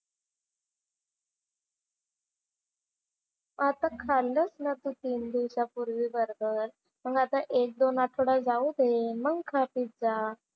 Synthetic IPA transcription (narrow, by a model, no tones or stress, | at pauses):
at̪ãkʰalːəsnat̪ut̪iːnd̪iwɕapuɾʋiːbəɾɡəɾ | məɡat̪ãʔek̚d̪onaʈʰoɽad͡zaud̪eməɡkʰapiːt̪̚d͡za